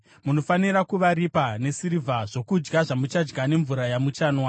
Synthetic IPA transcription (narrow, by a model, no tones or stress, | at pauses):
muno̞faniɾakuʋaɾipane̞siɾivʱaʐo̞kud͡ʒɡaʐamut͡ʃad͡ʒɡane̞ɱvuɾajamut͡ʃaːnwa